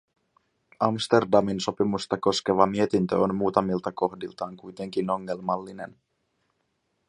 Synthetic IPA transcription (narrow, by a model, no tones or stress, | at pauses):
ɑmst̪e̞rdɑminso̞pimust̪ɑko̞ske̞ʋɑmie̞t̪int̪øonmuːt̪ɑmilt̪ɑko̞xdilt̪ɑːŋkujt̪e̞ŋk̟ino̞ŋːe̞lmɑlːine̞n